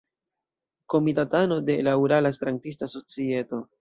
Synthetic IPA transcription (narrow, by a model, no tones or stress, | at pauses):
ko̞mitatano̞de̞lauɾalaespe̞ɾantis̬taso̞t͡sie̞to̞